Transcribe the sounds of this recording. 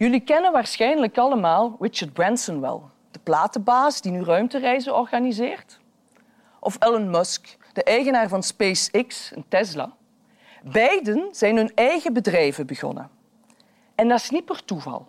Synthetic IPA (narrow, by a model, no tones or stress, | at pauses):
jɵlikɛnənʋaːɹsxɛjnləkɑləmaːlˠɹɪt͡ʃəɹd̚brɛnsɔnwɛ̰lˠ | d̥əplaːtəbaːzdinyrœɥmtərɛjzəɔrɣaːnizɪːrt | ʔɔfɛlənmɔsk | d̥əʔɛjɣənaːrvɑnspejsɪksəntɛzla̰ː | bɛjdənz̥ɛjnɦɵnɛjɣəbədrɛjvəbəɣɔ̰nə̰ | ɛndɑɪsnit̚pərtuvɑ̰lˠ